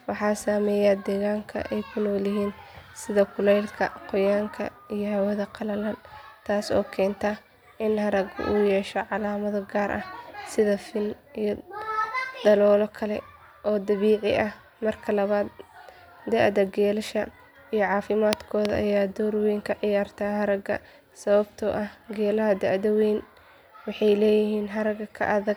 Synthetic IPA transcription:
wɑħɑːsaːmɛːjad̪ɛːɣaːŋkʰɐ̰ʔɛjkʰʊnɔːlɪɦiːnsɪðɐkʰʊlɛjlkʰɐ̰qɔjaːŋkʰɐ̰ | ijɞhɐwɐðɐqɑlɐlɐnt̪ʰaːsɔ̰ːkʰɛːnt̪ʰɐ | ʔɪnhɐɾɐɡ̰ʔʊjɛːʃɔʕɑlaːmɐðɔɡaːɾʔɐ̰hsɪðɐfɪnijɔ | d̪̥ɐlɔːlɔkʰɐlɛ̰ | ʔɔːd̪ɐβiːʕɪʔɐh | mɐrkʰɐlɐβaːd̪ | d̪ɛʕd̪ɐɡɛːlɐʃɐ | ijɔʕɑːfɪmaːd̪kʰɔːðɐʔɐ̰jaːd̪ɔːrwɛjŋkʰɐʕɪjaːrt̪ʰaːɦɐɾɐɡɐ̰ | sɐβɐbt̪ʰɔʔɐhɡɛːlɐɦɐd̪ɛʕd̪ɐwɛn | wɑħɑjlɛːjɪɦiːnɦɐɾɐɡɐkʰɐ̰ʔɐðɐɡ

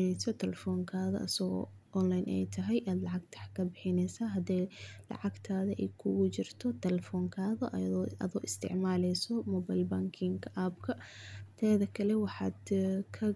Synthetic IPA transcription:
nɛjsɔt̪ʰɛlɛfɔːŋkʰaːðɐ̰ʔɐ̰sɐɣɔ̰ | ʔɔnlajnʔɛ̰jt̪ʰɐɦɛjʔaːd̪lɑʕɑɡ̚t̪ʰɐ̥ħkʰɐbɪħɪnɛjsaɦɐd̪ɛlɑ̰ʕɑɡt̪ʰaːðɐʔɛjkʰʊɣʊt͡ʃɪrt̪ʰɔt̪ʰɛlɛfɔːŋkʰaːðɐʔa̰ːðɔ̰ːʔɪst̪ʰɪ̰ʕmaːlɛjsɔmɔːbajlbaŋkʰɪŋkabkʰɐt̪ʰɛːðɐkʰɐlɛwɑħɑːd̪kʰɐ

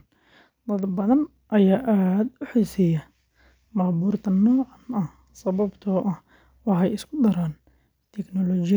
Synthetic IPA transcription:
d̪ɐd̪bɐðɐn | ʔɐjaːʔaːd̪ʊħiːsijɐ | mɑːbuːrt̪ʰɐnɔːʕɑnɐh | sɐβɐbt̪ʰɔːʔɐh | wɑħɑjɪskʰʊd̪ɐɾaːn | t̪ʰɛknɔlɔːt͡ʃɪ

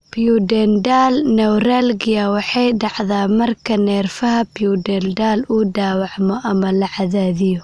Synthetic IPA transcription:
pijudɛndaːlnɛwɾalɡɪjɐwɑħɑjɖɑʕðaːmɐrkʰɐnɛːrfɐɦɐpijudɛːldaːluɖaːwɑʕmɔʔɐmɐlɐʕaðaːðɪjʊ

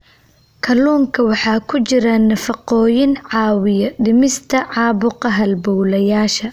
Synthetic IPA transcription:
kʰɐluːŋkʰɐwɑħɑːkʰʊt͡ʃɪɾɐnɐfɑqɔːjɪnʕɑːwɪjɐɖɪmɪst̪ʰɐʕɑːbʊqɑɦɐlbɔwlɐjaːʃɐ

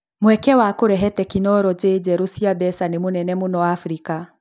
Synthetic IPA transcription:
mwɛkɛwakoɾɛɦɛtɛkinɔɾɔd͡ʑeːd͡ʑɛɾosiabɛsanemonɛnɛmonɔwafɾika

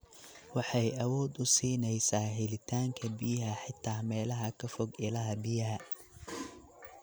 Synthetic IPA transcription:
wɑħɑjɐwɔːd̪ʊsiːnɛjsaːɦɛlɪt̪ʰaːŋkʰɐbɪjɐɦɐħɪt̪ʰːaːmɛːlɐɦɐkʰɐfɔɡɪlɐɦɐbɪjɐɦɐ

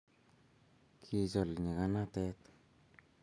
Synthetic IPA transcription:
kʰizolɲiɣanatet̪

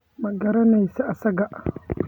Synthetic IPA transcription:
maɡɐɾanajsaʔasaɡaʔ

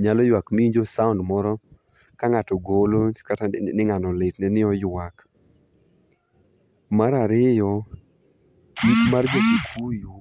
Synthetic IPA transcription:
ɲalɔjwakmiiɲd͡ʒosaʊndmɔɾɔ | kaŋatɔɡolokatanɪŋanɔletnɛnɪɔjwak | maɾaɾɪjɔ | ikmard͡ʒokikuju

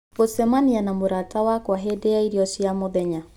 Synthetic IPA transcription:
osɛmanianamoɾatawakwaɦedejaiɾiɔsiamɔðɛɲa

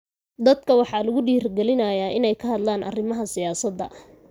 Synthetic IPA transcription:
d̪ɐd̪kʰɐwɑħɑːlɐɣʊɖiːrɡɛlɪnɐjaːʔɪnɛjkʰɐɦɐd̪laːnʔɐ̰rɪmɐɦɐsɪjaːsɐd̪ːɐ̰

